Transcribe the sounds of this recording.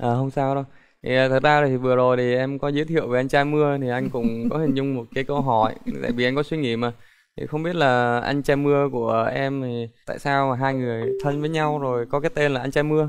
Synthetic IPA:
ʔəː˨˩ɦə˧wŋ͡msaː˧wɗə˧w | t̪ʰiː˨˩˨t̪ʰə˨˩t̚zaː˧zaː˨˩t̪i˨˩vɨ˨˩əzo˨˩jt̪ʰi˨˩ʔɛ˧mkɔ˨˦zi˨˦t̪ʰḭ˧˨əwe˨˩ʔa˧jŋ̟t͡ɕaː˧mɨ˧ət̪ʰi˨˩ʔa˧jŋ̟kʊ̰˧˥ŋ͡mkɔ˨˦hï˨˩ŋ̟zʊ˧ŋ͡mmo˨˩t̚kaː˨˦jkə˧wɦɔ˧˩jt̪a̰ː˧˨jvi˨˩ʔa˧jŋ̟kɔ˨˦swi˧ŋi˧˩maː˨˩ | t̪ʰḭ˨˩xə˧wŋ͡mɓi˦˥ət̚laː˨˩ʔa̰˧jŋ̟t͡ɕɛ˧mɨ˧əku˧˩əʔɛ˧mt̪ʰi˨˩t̪a̰ː˧˨jsaː˧waː˨˩ɦaː˧jŋɨ˨˩əjt̪ʰə˧nvəː˨˦jɲa˧wzo˨˩jkɔ˨˦kaː˨˦jt̪e˧nlaː˨˩ʔa˧ŋ̟t͡ɕɛ˧mɨ˧ə

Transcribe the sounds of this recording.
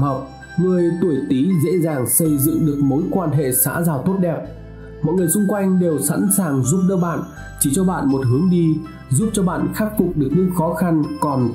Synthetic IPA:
ha˨˩wk͡p̚ | ŋɨ˧˩əjt̪u˧˩əjt̪i˨˦zḛ˧˥zaː˨˩ŋsə˧jzɨ̰˧˨ŋɗɨ˨˩ək̚mo˨˦jkwaː˧nɦḛ˧˨sa̰ː˧˥zaː˨˩wt̪o˦˥t̚ɗɛ˨˩p̚ | mɔ̰˧˨jŋɨ˨˩əjsʊ˧ŋ͡mkwa˧jŋ̟ɗe˨˩wsa̰˧˥nsaː˨˩ŋzu˦˥p̚ɗəː˧ɓa̰ː˧˨n | t͡ɕi˧˩t͡ɕɔ˧ɓa̰ː˧˨nmo˨˩t̚ɦɨ˨˦əŋɗi˧ | zu˦˥p̚t͡ɕɔ˧ɓa̰ː˧˨nxa˦˥k̚fʊ˨˩k͡p̚ɗɨ˨˩ək̚ɲɨ̰˧˥xɔ˨˦xa˧nkɔ˨˩n

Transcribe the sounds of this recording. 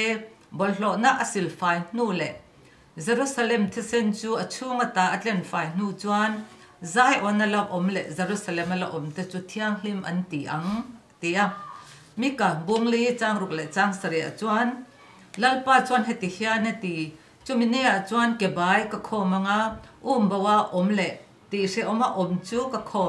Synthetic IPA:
bɔ˨lɬɔ˧ʔna˦ʔ̚əsi˨lfa˨˧jn̥u˦˨lɛ˨ʔ | ze˨ɾusa˧lɛ˨mt̪ʰɛ˦sɛnt͡suː˦ɐt͡sʰu˦ŋat̪a˨ʔɐ˧t͡ɬɛ˧˨nfa˨˧jn̥u˧˨t͡sua˧n | za˧jʔɔ˨nːa˨lɐ˧wʔɔ˨mlɛ˨ʔze˨ɾusa˨lɛ˨mala˧ʔɔ˨mt̪ɛ˧t͡su˧t̪ʰiɐŋl̥imʔɐ̰˧nt̪i˨ʔɐŋ | t̪i˨ʔa | mi˦ka˨bu˧ŋli˦t͡saː˧ŋru˨k̚lɛ˨ʔt͡saː˧˦ŋsɐ˨ɾɛ˨ʔa̰˨t͡sua˧n | lɐ˦lpaː˦t͡sua˧nɦɛ˨t̪i˨hia˧nɛt̪i˨ | t͡su˦mi˨nɛ˦˨ʔa˨ʔt͡sua˧nkɛ˨baː˨˦jka˧kʰɔ˧ma˧ŋa˦ʔu˦mbɔ˧wa˧ʔɔ˨mlɛ˨ʔ | t̪i˨ʔʂɛ˧ʔɔ˧ma˧ʔɔ˨mt͡suː˦ka˧kʰɔ˧

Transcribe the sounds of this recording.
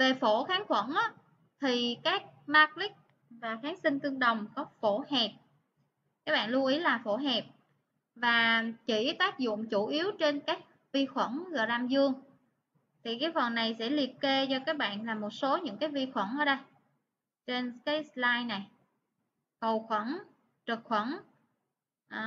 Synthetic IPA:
ve˨˩fo˧˩xaː˨˦nxwə̰˧˩nʔa˨˦ | t̪ʰi˨˩kaː˦˥k̚maː˨˥k̚lï˦˥k̚ | vaː˨˩xaː˨˦nsï˧ŋ̟t̪ɨ˧əŋɗə˨˩wŋ͡mkɔ˨˦fo˧˩hɛ˨˩p̚ | kaː˦˥k̚ɓa̰ː˧˨nlu˧ʔi˨˦laː˨˩fo˧˩ɦɛ˨˩p̚ | vaː˨˩t͡ɕi˧˩t̪aː˦˥k̚zʊ̰˧˨ŋ͡mt͡ɕu˧˩ʔi˨˦əwt͡ɕe˧nkaː˦˥k̚ | vi˧xwə˧˩nɣɨ̰˧˨˩ɗa˧mzɨ˧əŋ | t̪ʰi˨˩kaː˨˦jfə˨˩nːa˨˩jsɛ̰˧˥li˨˩əp̚ke˧t͡ɕɔ˧kaː˦˥k̚ɓa̰ː˧˨nlaː˨˩mo˨˩t̚so˨˦ɲɨ̰˧˥ŋkaː˨˦jvi˧xwə˧˩nʔəː˧˩˦ɗə˧j | t͡ɕe˧nkaː˨˦jslaː˧jna˨˩j | kə˨˩wxwə˧˩n | t͡ɕə˨˩k̚xwə˧˩n | ʔ

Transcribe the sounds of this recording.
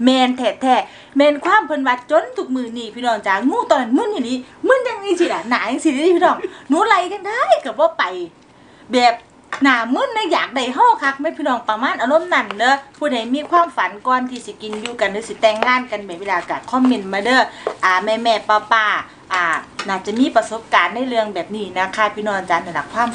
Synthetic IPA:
mɛː˧nt̪ʰɛː˧˩t̪ʰɛː˧˩ | mɛː˧˨nkʰwaː˧˥˨mpʰɤ˧˨nwa˧t̪̚t͡ɕo˧˥˨nt̪ʰu˧˦k̚mɯː˧˨niː˧˩pʰiː˧˨nɔː˧˩ŋt͡ɕaː˨˧˩ŋuː˧˥˨t̪ɔː˧˨n˧˨nmɯ˧˥˨njaː˧˩niː˧˥˨ | mɯ˧˥˨nja˧ŋniː˧˥˨si˧˩ʔa˧˩naː˨˦ja˧si˧dpʰiː˧nɔː˧˩ŋnuː˧˦la˧jka˧ndaː˧˦˨jka˧˩bɔː˧˦pa˨j | bɛː˨˩p̚ | naː˨˩mɯ˧˥˨nːa˧˥˨jaː˨˩k̚da˧˩jɦɔː˧˥˨kʰa˧˥k̚ma˧˨˩pʰiː˧˩nɔː˧˩ŋpa˧maː˧˥˨nʔa˧˨lo˧˥˨mna˧˩˨nːɤː˧˦pʰuː˧˩˨da˨˩jmiː˧˥˨kʰwaː˧˥˨mfa˨˦nkɔː˧nt̪ʰiː˧˩si˧˦ki˨njuː˧ka˨ndɯː˧˦si˧˦t̪ɛː˧˩ŋːaː˧˥˨nka˨nbɛː˨˩we˧˥˨laː˨˧ka˧˩kʰɔ˧˥˨mːe˧˨nmaː˧dɤː˧˩ʔaː˨˩mɛː˧mɛː˧˩paː˧˩paː˧˩ | ʔaː˧˩naː˧˩t͡ɕa˧˨miː˧˥˨pa˧so˧˦p̚kaː˨nːa˧˥˨jlɯ˧əŋbɛː˨˩p̚niː˧˩naː˧˩kʰaː˧˩pʰiː˧nɔː˧˨ʔa˨˧˩t͡ɕaː˨ndda˧˩kʰwaː˧˥˨m

